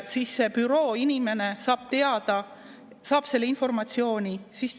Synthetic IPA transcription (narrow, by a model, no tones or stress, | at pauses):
siːsːe̞pyɾo̞ːinʲime̞ne̞sɑːb̥t̪e̞ɑd̪̥ɑ | sɑːb̥se̞lːeinfo̞rmɑt̪sio̞ːnʲisis